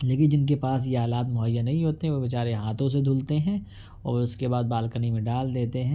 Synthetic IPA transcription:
leːkɪnd͡ʒɪnk̬epaːs̬jeɦaːlaːt̪mʊɦəjːanɐɦĩɦoːt̪eɦɛ̃ʋobɪt͡ʃaːɾeɦaːt̪õs̬ed̪ʱʊlt̪eɦɛ̃ː | ɔ̰ːʊskebaːd̪̚baːlkənimẽɖaːld̪eːt̪eɦɛ̃ː

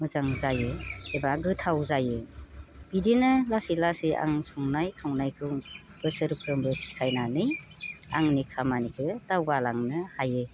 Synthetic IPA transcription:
mɯzaŋzajɯebaɡɯtʰawzajɯb̥idinɯlasilasia̰ŋsɔŋnajtʰaŋnajkʰɯ | b̥ɯsɯɾukʰɾɯmbɯsi̥kʰajnanɯja̰ŋnikʰamanikʰɯtawɡalaŋnɯhajɯ

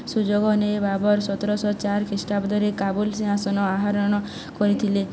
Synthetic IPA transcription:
sud͡ʒoɡɔnebabɔɾsɔt̪ɔɾɔsɔt͡ʃaɾkʰisʈabɔd̪ʱɔɾekabulsĩɦasɔnɔaɦaɾɔɽ̃ɔ | kɔɾit̪ʰile

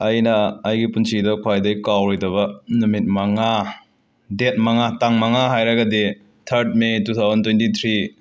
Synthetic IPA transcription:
ɐjnɐːjɡipunsʰidɐkʰwajdɐjkawɾojdɐβɐnumit̚mɐŋa | det̚mɐŋataŋmɐŋaɦajɾɐɡɐdi | tʰɐɾt̚metut̪ʰawzɐntwentit̪ʰɾi

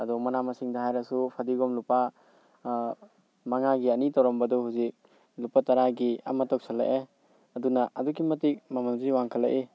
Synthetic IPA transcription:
ɐdɔmɐnamɐsiŋdɐhajɾɐsupʰadiɡɔmlupa | maŋaɡiɐnitɔwɾɔmbɐdɔɦuzik̚ | lupataɾaɡia̰mɐtɔk̚salːa̰ʔe | ɐdunɐʔɐduɡimɐtik̚mamanziwaŋkʰɐlːa̰ʔe

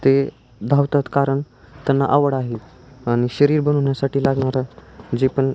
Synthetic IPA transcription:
t̪e | d̪ʱaʋt̪at̪kaɾəɳ | t̪ɛnːa̰ʔaʋəɽaɦet̪ | aɽ̃iɕəɾiːɾbənoɳjasaʈiːlaɡɳ̃aɾad͡ʑepəɳ

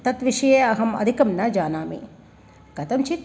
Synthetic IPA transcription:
t̪ɐt̪ʋiʂɐjeːɐɦɐmɐ̰d̪ʱikɐmnɐd͡ʒaːnaːmḭ | ɡ̥ɐt̪ɐmt͡ʃit̪

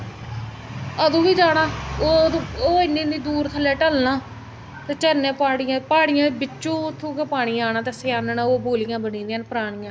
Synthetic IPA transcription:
əd̪ũːʋiːd͡ʒaːɽaːoːd̪̃oːɪnːĩːniːd̪uːɾt̪ʰəlːɛːʈəlnaː | t̪eːt͡ʃəɾnẽːpaːɽɪjãːpaːɽɪjãːbɪt͡ʃːũːʊt̪ʰːũːkeːpaːɽ̃iːaːnãːt̪eːseaːnənãːoːboːlɪjãːbənĩːnd̪iãːnpəɾaːɳ̃ɪjãː

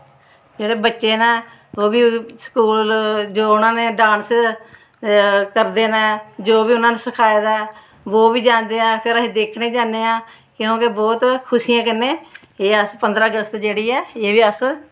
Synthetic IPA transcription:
d͡ʒeːɽeːbətːʃeːnaː | oːbiːsə̥kuːlld͡ʒoːʊnãːneːɖaːns | kəɾd̪eːnaːd͡ʒoːʋiːʊnãːneːsəkʰaːed̪a | ʋoːbiːd͡ʒãːnd̪eːãːpʰɪɾəẽːd̪eːkʰneːd͡ʒãːneːãː | kɪjõːkebɔːt̪kʰʊsijãːkənːẽː | eːəspənd̪ɾaːəɡəst̪d͡ʒeːɽiːɛːeːʋiːəs

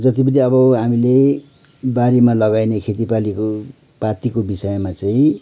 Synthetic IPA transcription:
d͡zʌt̪ipʌniʌbʌɦamile | baɾemalʌɡajnekʰet̪ipaliko | pat̪ikobisʌjmat͡saĩ

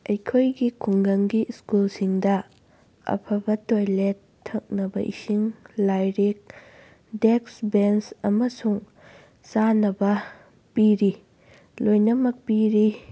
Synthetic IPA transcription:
ɐjkʰojɡikʰuŋɡɐŋɡiskulsiŋdɐ | ɐ̰pʰɐbɐtojletʰːɐk̚nɐbɐʔḭsiŋlajɾek̚ | deksbensɐmɐsuŋ | sanɐbɐ | piɾi | lojnɐmɐk̚piɾi

